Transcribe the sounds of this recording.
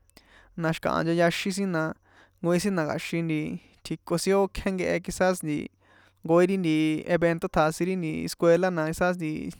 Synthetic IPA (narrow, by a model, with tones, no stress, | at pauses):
nã˧ʃkã̰˨ʔã̰˧nd͡ʒa˧ja˧ʃĩ˦s̬ĩ˦nã˧ | ŋɡo˧ĩ˧s̬ĩ˦nã˧ka̰˨ʃĩ˧nd̪i˧ | t̪ʰi˧ko˧sĩ˦o˦kʰẽ˦ŋɡe˧ʔe˧ki˧sa˦snd̪ḭ˧ | ŋɡo˧˦i˦ɾi˦nd̪i˧ḛ˧βe˧nt̪o˦t̪ʰa˧sĩ˧ɾi˦nd̪i˧ḛ˧skʷwe˧la˦nã˧i˧sa˦s̬nd̪i˧